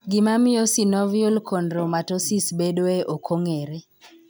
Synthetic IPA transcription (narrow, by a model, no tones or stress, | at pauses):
ɡɪmamɪjosinɔviɔlkʰondɾomatosisbedoeʔokʰoŋeɾe